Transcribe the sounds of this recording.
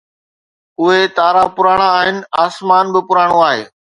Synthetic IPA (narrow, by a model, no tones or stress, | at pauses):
ʊɦet̪aːɾapʊɾaːɽ̃aaːɦɪnɪ̆aːsmaːnbɪpʊɾaːɽ̃õaːɦḛː